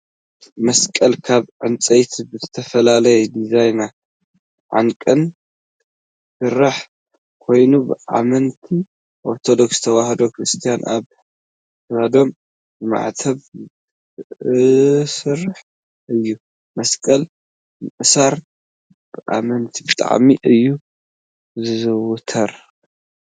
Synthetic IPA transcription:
mɐskʼɐlkʰaβʕɨnt͡sʼɐjt̪ʰibɨzɨt̪ʰɐfɐlalɐjɛd̪izajna | ʕa̰ŋkʼɨn | sɨrːaħ | kʰo̞jnubɨʔa̰mɐnt̪ʰi | ʔo̞ɾt̪ʰo̞d̪o̞ksɨ̥t̪ʰɐwahɐd̪o̞kɾɨst̪ʰijanʔa̰β | βad̪o̞m | bɨma̰ʕt̪ʰɐβ | sɨrːɨħ | ʔɨjːu | mɐskʼɐl | mɨʔɨsaɾ | b̥ɨʔa̰mɐnt̪ʰibɨt̪ʼa̰ʕmiʔɨjːu | zɨzɨwʊt̪ʰɐɾ

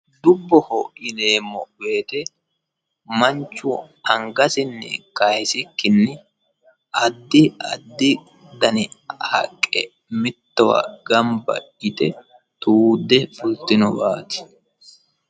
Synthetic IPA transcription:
d̪ʊbːɔhɔʔɪneːmːɔbe̞ːt̪ɛ | mɐnt͡ʃːʊ | ɐŋɡɐsɪnːɛ̰kɐjsɪkːɪnːɛ | ʔɐd̪ːɪɐd̪ːɪ | d̪ɐnɪhɐ̰kʼːɛ̰ | mɪt̪ːɔwɐ̰ɡɐmbɐ̰ | ɪt̪ɛ | t̪ʼuːd̪ɛfʊlt̪ːɪnɔbaːt̪ɪ̥

